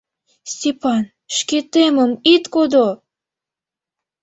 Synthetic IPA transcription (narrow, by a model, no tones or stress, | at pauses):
sʲtʲepɑn | ʃket̪eməmit̪kod̪o